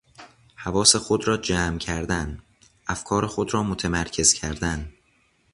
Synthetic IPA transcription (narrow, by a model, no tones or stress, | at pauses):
hævɒːse̞xod̪ɾɒːd͡ʒæːmcʰæɾd̪æn | ʔæfkʰɒːɾexod̪ɾɒːmot̪ʰemæɾcʰe̞z̥cʰæɾd̪æn